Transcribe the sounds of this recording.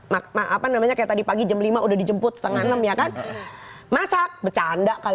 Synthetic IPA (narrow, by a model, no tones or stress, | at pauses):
mamaʔapanamaɲakajaʔt̪adipaɡid͡ʒamlimaʔudahdid͡ʒəmpʊt̪̚sə̥t̪əŋanəmjakan | masak̚bət͡ʃandaʔkal